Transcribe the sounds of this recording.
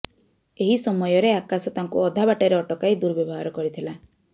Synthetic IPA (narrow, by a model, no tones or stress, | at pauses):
eɦisɔmɔjɔɾeakasɔt̪aŋkuɔd̪ʱabaʈaɾeɔʈɔkajd̪uɾɔbjɔbɔɦaɾɔkɔɾit̪ʰila